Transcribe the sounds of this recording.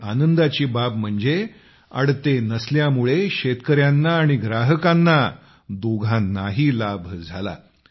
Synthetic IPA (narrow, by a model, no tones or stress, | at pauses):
anənd̪at͡ɕiːbab̚m̤əɳd͡ze | ə̰ɽt̪enəsljamuɭeɕet̪kəɾjanːaːɽ̃iɡɾaɦəkanːa | d̪oɡʱanːaɦiːlabʱd͡zʱala̰